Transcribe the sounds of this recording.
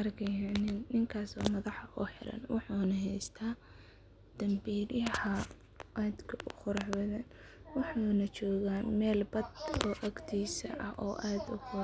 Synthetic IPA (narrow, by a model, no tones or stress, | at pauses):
ɐrkʰɛjanɪnnɪŋkʰaːswaːmɐðɑħʔʊħɪ̰ɾɐ̰nwɑħuːnɐɦɛjst̪ʰaː | d̪̥ɐmbiːɾjɐhɐ | ʔaːd̪kʰɐʔʊqʊɾɑħbɐðɐn | wɑħuːnɐt͡ʃɔːɣaːmɛːlbɐd̪ɔːʔɐɡt̪ʰiːsɐ̰ʔɐʔɔ̰ːʔaːd̪ʊχʊ